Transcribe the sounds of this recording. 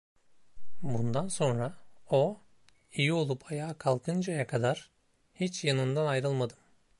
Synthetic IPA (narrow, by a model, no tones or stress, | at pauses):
bund̪anso̞nɾao | ijio̞lˠupʰajaːkʰalˠkʰɯnd͡ʒajakʰad̪aɾ̥ | hit͡ʃjanɯnd̪anajɾɯlˠmad̪ɯm